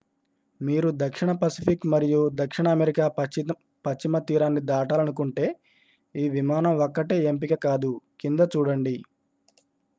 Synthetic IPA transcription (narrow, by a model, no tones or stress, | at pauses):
miːɾud̪ɐkʂiɳɐpɐsipʰikmɐɾijud̪ɐkʂiɳɐːmeɾikaː | pɐt͡ʃːimɐt̪iːɾaːnːid̪aːʈaːlɐnukuɳʈe̞ː | iːʋimaːnɐmɔkːɐʈeːemp̬ikɐkaːd̪ukind̪ɐt͡ʃuːɽɐɳɖi